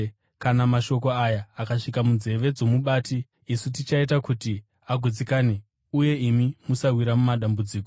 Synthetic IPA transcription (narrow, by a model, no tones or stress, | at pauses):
kanamaʃo̞k̬o̞ajaːkaʂikamunze̞ʋe̞d͡zo̞muɓaːtiː | sutit͡ʃaitakuti | aɡʱud͡zikaːne | uje̞imimusawiɾamumaɗambud͡ziːko